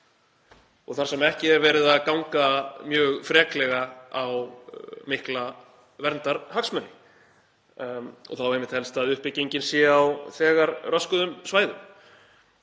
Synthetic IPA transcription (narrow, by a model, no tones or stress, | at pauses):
ɔ̰ɣθaɾ̥sɛmɛhcɪɛɾvɛːɾɪðaðkawŋkamjœːɣfɾɛːklɛɣaawmɪhkla | vɛɾnt̪aɾhaksmœnːɪ | ɔ̰θawejmɪht̪hɛlst̪aðʏhpɪcːiɲcɪnsjɛawθɛːɣaɾrœskʏðʏmsvaːjðʏm